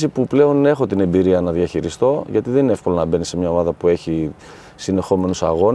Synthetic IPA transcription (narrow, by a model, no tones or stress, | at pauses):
sipuple̞o̞ne̞xo̞t̪ine̞mbiɾiɐnɐðjɐçiɾist̪o̞ʝɐt̪iðeninee̞fko̞lo̞nɐbe̞nisemɲɐo̞mɐðɐpue̞çi | sine̞xo̞me̞nusɐ̰ɣo̞n